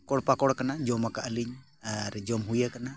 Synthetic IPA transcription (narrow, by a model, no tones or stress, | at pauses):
kɔɽpakɔɽkanad͡ʒɔmakaʔəliɲ | aɾd͡ʒɔmɦujakana